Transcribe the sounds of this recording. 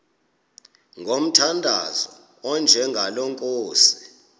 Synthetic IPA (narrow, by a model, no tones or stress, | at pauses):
ŋɡʱom̩tʰandʱa̰zɔ | ɔnd͡ʒʱɛŋɡʱalɔŋkʼoːsi̥